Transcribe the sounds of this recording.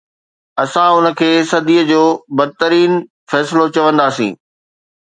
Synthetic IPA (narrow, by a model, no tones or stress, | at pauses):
ɐsãʊnə̆kʰeːsɐd̪iːəd͡ʑoːbɐd̪̚ʱɪt̪əɾiːn | fɛːsɪlot͡ɕɐʋə̃nd̪aːsḭ̃ː